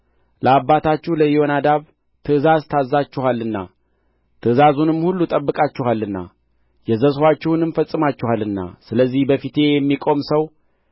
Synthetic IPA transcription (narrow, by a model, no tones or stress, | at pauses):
ləabːat̪ʰat͡ʃːɪhləjɪo̞nad̪aβ | t̪ʰɨɨzazt̪ʰazːat͡ʃːɪhalːɨnːa̰ | t̪ʰɨɨzazunɨmːhulːut̪ʼəbːɨkʼat͡ʃːɪɦalːɨnːa̰ | jɛzəswʷat͡ʃːɪwnɨmfəsʼːɨmat͡ʃːɪhalɨnːa̰sɨləzːihbəfit̪ʰe̞jɛmːikʼo̞msəw